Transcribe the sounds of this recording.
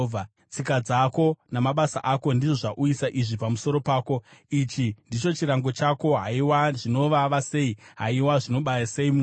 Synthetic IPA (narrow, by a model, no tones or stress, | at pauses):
a | t͡sikad͡zako̞namaɓasaʔako̞ndiʐo̞ʐaʔuisaʔiʐipamuso̞ɾo̞paːko̞it͡ʃindit͡ʃo̞t͡ʃiɾaŋɡo̞t͡ʃako̞ɦaiwaʐino̞ʋaʋase̞iɦa̰iwaʐino̞ɓajase̞imu